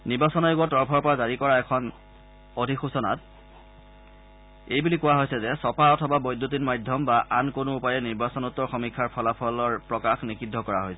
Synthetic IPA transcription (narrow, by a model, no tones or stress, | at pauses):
niɹbasɔnajoɡɔtɔɹpʰɔɹpɔɹazaɹikɔɹaɛkʰɔn | odʱixusɔna̰t̚ | ejbulikʊwaɦojsɛzɛsɔpaɔtʰɔbabɔjdʱːutinmajdʱjɔmbaʔankonʊupajɛniɹbasɔnutːɔɹxɔmikʰːaɹpʰɔlapʰɔlɔɹpɹɔkaxnikʰidʱːɔkɔɹaɦojsɛ